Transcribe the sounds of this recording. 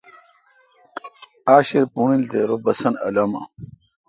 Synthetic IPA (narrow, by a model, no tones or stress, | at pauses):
aːɕiɾpunild̪eɾobɐsɐnɐ̰lɐmɐ̰